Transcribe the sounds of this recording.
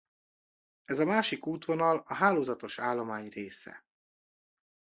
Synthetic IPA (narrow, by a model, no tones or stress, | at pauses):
ɛzɒmaːʃikuːt̪ʋo̞nɒlɒɦaːloːzɒt̪o̞ʃaːlːo̞maːɲreːsɛ̰